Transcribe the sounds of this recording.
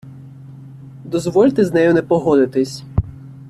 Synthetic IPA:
d̪ɔzʋɔlʲt̪ɪznɛjʊnɛpɔɦɔd̪ɪt̪ɪsʲ

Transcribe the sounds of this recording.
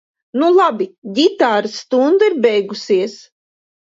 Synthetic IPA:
nulˠabid̪ʲit̪aːɾɨst̪und̪aiɾbʲɛjɡusiɛs

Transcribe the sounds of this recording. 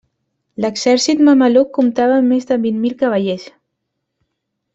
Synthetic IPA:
ləɡz̥ɛɾsit̪məməlukːumt̪aβəmezðəβinmilkəβəʎes

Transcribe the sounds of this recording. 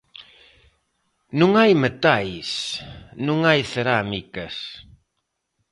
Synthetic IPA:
nũŋajmet̪ajsnũŋajθeɾamikɐs

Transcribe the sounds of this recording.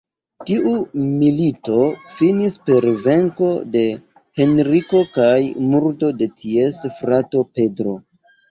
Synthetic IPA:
tiʔumilito̞finispe̞ɾve̞ŋko̞̰de̞ | he̞nɾiko̞kajmuɾdo̞de̞tʰie̞sfɾato̞pe̞dɾo̞

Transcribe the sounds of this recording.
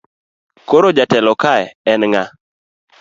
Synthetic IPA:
koɾod͡ʒatɛlɔkaɛɛnŋa

